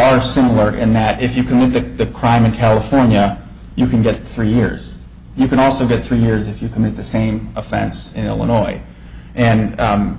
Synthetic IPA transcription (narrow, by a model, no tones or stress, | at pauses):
ə˞sɪ̃ml̩ˠə˞ʔɪ̰̃nðɨɾɪfjɨkʰɨmɪt̪̚ðɨðɨkʰɹ̥ãɪ̃mɨ̃nkʰælˠəfɔɹnjɨ | jɨkɨ̃nɡɛt̪̚θɹijɪ̰ɹz̥ | jɨkɨ̃ñɔlˠsoʊɡɛt̪̚θɹijɪɹzɨfjɨkʰəmɪt̪̚ðɨsẽɪ̃məfɛ̰̃nsɨ̃nɪ̰lˠə̰nɔɪ | ʔɨ̃n